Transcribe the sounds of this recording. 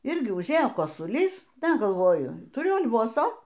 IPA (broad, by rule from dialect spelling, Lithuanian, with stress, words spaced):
ˈɪrʲɡʲɪ ʊʒʲˈeːjoː koːsʊˈlʲiːs ˈdɐ ɡɐlˠˈʋoːjʊ tʊˈrʲʊ ɐlʲˈʋoːsoː